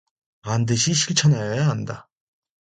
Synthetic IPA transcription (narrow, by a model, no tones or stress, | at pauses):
andɯɕʰiɕʰiɭt͡ɕʰʌnajʌjaɦanda